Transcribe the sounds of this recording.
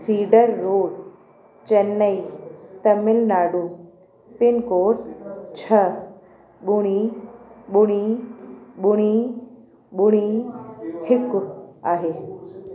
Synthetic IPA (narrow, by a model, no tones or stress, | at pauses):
siːɖəɾːoːɽ | t͡ɕɐnːəit̪ɐmɪlnaːɖuː | pɪnkoːʈt͡ɕʰɐ | ɓʊɽ̃i | ɓʊɽ̃i | ɓʊɽ̃i | ɓʊɽ̃i | hɪkʊaːɦeː